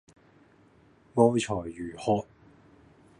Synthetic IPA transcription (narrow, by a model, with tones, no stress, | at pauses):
ŋɔː˥wt͡ʃʰɔː˨˩jːyː˨˩hɔː˧˥t̚